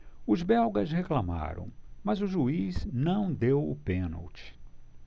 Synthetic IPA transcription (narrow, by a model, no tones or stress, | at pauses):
ʊzbɛwɡɐzheklama̰ɾɐ̰̃w̃mɐzʊʒuiznɐ̃w̃d̪ewʊ̰pẽno̰wt͡ʃɪ̥